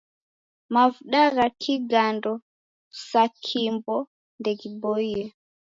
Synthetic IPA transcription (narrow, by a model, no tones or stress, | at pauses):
mavuɗaɣakʰiɡandɔ | sakʰimbɔ | ndɛɡibɔiɛ